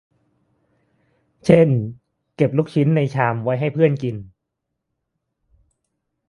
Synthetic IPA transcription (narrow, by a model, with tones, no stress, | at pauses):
t͡ɕʰe˥˩n | ke˨˩p̚luː˦˥˩k̚t͡ɕʰi˦˥nːa˧jt͡ɕʰaː˧mwa˦˥jɦa˥˩jpʰɯ˥˩ənki˧n